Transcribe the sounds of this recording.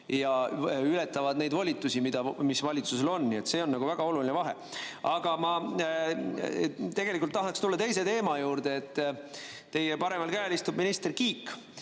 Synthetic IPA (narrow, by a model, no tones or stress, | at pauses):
jɑylɛt̪ːˑɑvɑd̪ne̞jd̪vɑlʲit̪ːˑusimid̪̥ɑmisvɑlʲit̪suse̞lo̞nːnie̞t̪se̞o̞nːɑɡuvæɡ̥ɑo̞lulinevɑɦe̞̰ | ɑɡ̥ɑmɑ | t̪e̞ɡ̥e̞likult̪ːɑɦɑkst̪ulːɑt̪e̞jse̞t̪e̞ːmɑjuːɾd̪̥eːt̪ː | e̞jepɑɾe̞mɑlkæːlist̪ub̥minist̪e̞rkiːk